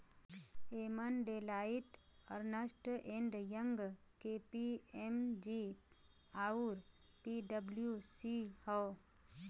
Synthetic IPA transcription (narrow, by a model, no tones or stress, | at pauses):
eːmənɖeːlaːɪʈ | ɔɾnəsʈʔẽɳɖjə̃ŋɡkeːpiemd͡ʒi | aːuɾ | piɖəbljusihɔː